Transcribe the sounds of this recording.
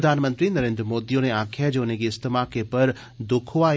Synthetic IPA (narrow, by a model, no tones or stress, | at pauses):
d̪ʱaːnmə̃nt̪ɾinɐɾẽːnd̪ɾmoːd̪ionẽaːkʰad͡ʑoʊnẽd͡ʑeːɪst̪ɪmakʰepɐɾ | d̪ʊkʰʊʋaː